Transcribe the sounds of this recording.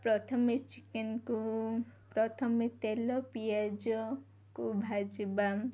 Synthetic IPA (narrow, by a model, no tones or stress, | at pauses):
pɾɔt̪ʰɔmet͡ʃikenkupɾɔt̪ʰɔmet̪elɔpijad͡ʒɔ | kubʱad͡ʒiba